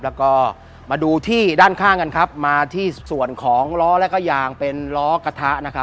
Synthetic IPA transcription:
lɛ˦˥wkɔː˥˩ | maː˧duː˧t̪ʰiː˥˩daː˥˩nkʰaː˥˩ŋka˧nkʰa˦˥p̚maː˧t̪ʰiː˥˩su˨˩ənkʰɔː˩˦ŋɾɔː˦˥lɛ˦˥kɔː˥˩jaː˧ŋpe˧nɾɔː˦˥ka˧t̪ʰa˦˥ʔna˦˥kʰa˦˥

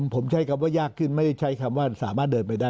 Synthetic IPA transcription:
mpʰo˩˦mt͡ɕʰa˦˥jkʰa˧mwaː˥˩jaː˥˩kʰːɯ˥˩nma˥˩jda˥˩jt͡ɕʰa˦˥jkʰa˧mwaː˥˩saː˩˦maː˥˩t̪̚dɤː˧npa˧jdaː˥˩

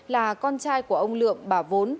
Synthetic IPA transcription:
laː˨˩kɔ˧nt͡ɕaː˧jku˧˩əʔə˧wŋ͡mlɨ̰˧˨əŋɓaː˧˩vo˨˦n

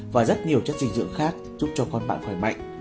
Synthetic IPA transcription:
vaː˨˩zə˦˥t̚ɲi˨˩əwt͡ɕa˦˥t̚t͡ɕï˧˩ŋ̟zɨ̰˧˨əŋxaː˦˥k̚zu˦˥p̚t͡ɕɔ˧kɔ˧nɓa̰ː˧˨nfaː˧˩jma̰˧˨jŋ̟

